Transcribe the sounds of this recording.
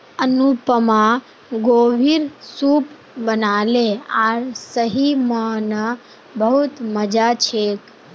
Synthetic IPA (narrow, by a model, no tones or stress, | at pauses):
ənupəmã | ɡoːʋiɾsuːp | bənaːleaːɾsəɦimãna | bəɦut̪məd͡ʒat͡ʃʰeːk